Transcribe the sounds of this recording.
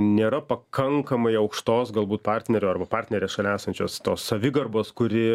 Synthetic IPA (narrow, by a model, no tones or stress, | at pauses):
nʲeːɾɐpɐkʰɐŋkɐmɐɪɐʊkʃt̪oːsɡɐlˠbuːt̪pɑrʲt̪ʲnʲɛɾʲoːɐrbɐpɑːɾʲt̪nʲɛɾʲeːsʃɐlʲæːsɐnʲt͡ʃʲoːst̪oːsːɐʋʲɪɡɐrboːskʊɾʲɪ